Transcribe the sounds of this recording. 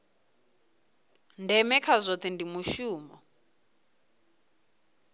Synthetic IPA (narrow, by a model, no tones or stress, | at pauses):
ndʱɛmɛkʰazʷot̪ʰindimuʃuːmɔ